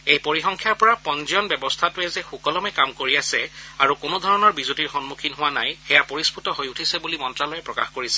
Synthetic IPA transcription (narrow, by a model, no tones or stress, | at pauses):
ejpoɹixɔŋkʰjaɹpɔɹapɔnzɔnbɛbɔstʰatʊɛzɛxukɔlɔmɛkamkoɹiasɛaɹukʊnodʱɔɹɔnɔɹbizutiɹxɔnmukʰinɦʊwanajxɛjapoɹispʰutɔɦojutʰisɛbulimɔntɹalɔjɛpɹɔka̰xkoɹisɛ̥